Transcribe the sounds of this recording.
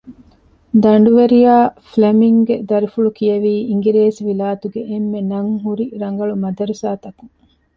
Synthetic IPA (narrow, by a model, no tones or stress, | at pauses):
d̪ɐɳ̆ɖuʋeɾijaːflemiŋɡed̪ɐɾifuɭukijɐʋiːiŋɡiɾeːsʋilaːt̪uɡeʔemːenɐŋɦuɾiɾɐŋ̆ɡɐɭumɐd̪ɐɾusaːt̪ɐku̥